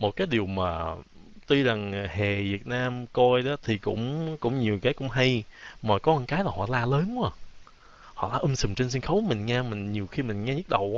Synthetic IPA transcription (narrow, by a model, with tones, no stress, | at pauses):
mo˨˩t̚kaː˨˦jɗi˨˩əwmaː˨˩ | t̪i˧za˨˩ŋhe˨˩vi˨˩ət̚naː˧mkɔ˧jɗɔ˨˦t̪ʰi˨˩kʊ̰˧˥ŋ͡mkʊ̰˧˥ŋ͡mɲi˨˩əwkaː˨˦jkʊ̰˧˥ŋ͡mɦa˧jmaː˨˩kɔ˨˦ə˧˩˦ŋkaː˨˦jlaː˨˩hɔ̰˧˩laː˧ləː˨˦nkaː˧˩ | hɔ̰˧˨laː˧˩ʔɨ˧msɨ̰˨˩ŋ͡mt͡ɕe˧ns̬i˧ŋxə˨˦wkmï˨˩ŋ̟ŋɛ˧mï˨˩ŋ̟ɲi˨˩əwxi˧mï˨˩ŋ̟ŋɛ˧ɲɨ˦˥ɗə˨˩wʔ